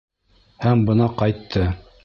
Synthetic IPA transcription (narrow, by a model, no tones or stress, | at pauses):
hæmbɤ̆nɑqɑjt̪ʰːɤ